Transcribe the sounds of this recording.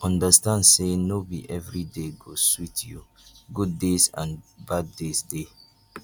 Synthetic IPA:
ɔ̃ndəstãndsenobḭʔɛvɹideɡoswitʰju | ɡud̚desã̰nbadːesde

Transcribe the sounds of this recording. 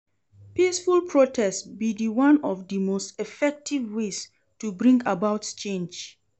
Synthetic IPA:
pisfulpʰɹotʰɛstbidiwãnɔvdimostɛfɛk̚tʰivwes | tubɹĩŋɡabaʊtt͡ʃẽnd͡ʒ

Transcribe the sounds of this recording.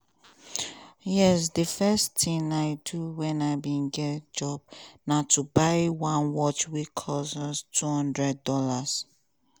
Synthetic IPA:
jɛsdəfɛstĩŋaɪduwɛ̃naɪbĩnɡɛd͡ʒɔb̚natʰubaɪwãnwɔt͡ʃwikʰɔsɔstʰuhɔ̃ndɹɛd̚dɔlas

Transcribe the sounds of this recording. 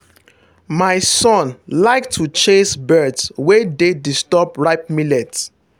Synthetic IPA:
maɪsɔ̃nlaɪktʰːut͡ʃesbɜdswededistɔbɹaɪp̚milɛt

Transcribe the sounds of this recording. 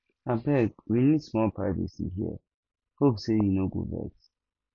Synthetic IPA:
abɛkwinidsmɔlpʰɹaɪvḭsḭɦiə̰ | hopsejinoɡo̰bɛ̰k

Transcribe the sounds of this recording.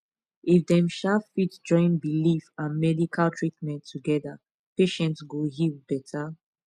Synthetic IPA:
ifdɛ̃mʃafitd͡ʒɔ̃ɪ̃nbilifãnmɛdikʰaltʰɹitmɛ̃ntʰːuɡɛða | peʃɛ̃ntsɡoɦilbɛtʰa

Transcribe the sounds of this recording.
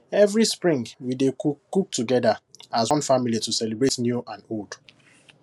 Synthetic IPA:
ɛvɹispɹĩŋɡwidekuk̚tuɡɛdaasɔ̃nfamilitusɛlibɹetnjuʔãnold̥

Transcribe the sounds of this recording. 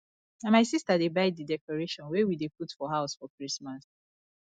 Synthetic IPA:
ãmaɪsistadebaɪidɛkɔɹeʃɔ̃nwɛwideputfɔɦaʊsfɔkɹismas

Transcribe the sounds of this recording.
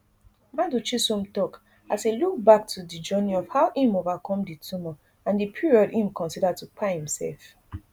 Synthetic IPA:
madut͡ʃisũmtɔk | aseluk̚bak̚tʰudid͡ʒɜniɔvhaʊʔĩmovakʰɔ̃mditʰumɔ | ãndipʰiɹiɔdĩmkʰɔ̃nsidatupʰahĩmsɛ̰lf

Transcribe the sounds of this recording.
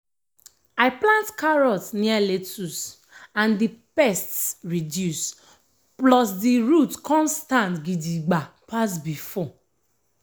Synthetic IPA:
aɪplãntkaɹɔtnialetus | ãndipɛstsɹidjus | plɔs̬diɹutkʰɔ̃nstãntɡidiɡ͡bapʰasbifɔ

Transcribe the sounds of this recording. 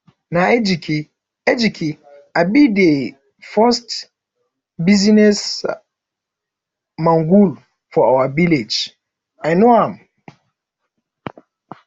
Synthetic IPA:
naed͡ʒikʰi | ɛd͡ʒikʰi | abide | fast | bizinɛs | mãŋɡul | fɔawaviled͡ʒ | ajnoãm

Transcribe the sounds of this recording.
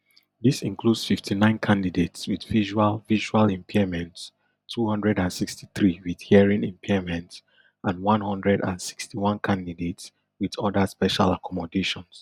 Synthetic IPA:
ðisĩŋkludsfiftʰinãɪ̃nkʰãndidetswiðviʒualviʒualɛ̃mpʰimɛ̃ntsʰ | uhʌ̃ndɹɛdãnsiksti̥θɹiwið̥hiəɹĩnĩmpʰimɛ̃nts | ʔãnwʌ̃nhʌ̃ndɹɛdã̰nsi̥kstʰiwɔ̃nkʰãndidets | wiðɔdəspɛʃa̰lakʰɔmɔdeʃɔ̃ns

